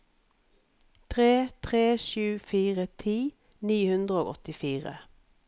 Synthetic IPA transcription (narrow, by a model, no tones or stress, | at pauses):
t̪ʰʁeːt̪ʰʁeːʃʉːfiːʁət̪ʰiː | niːhʉnd̪ʁəoːɡɔt̪ɪfiːʁə̰